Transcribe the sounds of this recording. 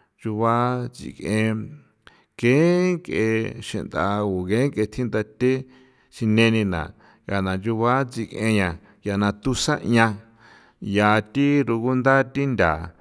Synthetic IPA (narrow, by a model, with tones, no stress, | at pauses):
ʒu˧βa˦t͡sḭ˧˨kẽ˧ | kẽ˦ŋkḛ˧ʃḛ̃˧˨nd̪a˧u˨ɣẽ˨˦ŋke˧t̪ʰi˦nd̪a˧t̪e˦ | ʃi˧nẽ˧nĩ˧nã̰˨ | ɣa˨nã˨d͡ʒu˧βa˦t͡si˧kḛ̃˧ɲã˨ | ja˨nã˧t̪u˦sa̰˦ɲã˧ | ja˨˧t̪i˦ɾu˧ɣu˦nd̪a˦t̪i˦nd̪ʲa˨